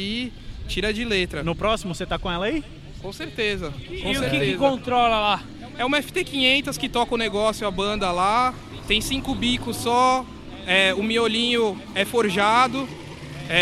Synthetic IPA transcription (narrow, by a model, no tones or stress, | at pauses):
i | t͡ʃiɾɐd͡ʒɪlet̪ɾɐnʊpɾɔsimʊset̪akõɛlɐi | kõseɾt̪ezɐkõseɾkɪeɪzkõt̪ɾɔlɐla | ɛũmɛfɪ̥t̪ekĩɲẽnt̪ɐskɪt̪ɔkɐʊneɡɔsjʊɐbɐ̃nd̪ɐla | t̪ẽj̃sĩkʊbikʊsːɔ | ɛʊmiolĩɲʊ | ɛfoɾʒad̪ʊ | ɛ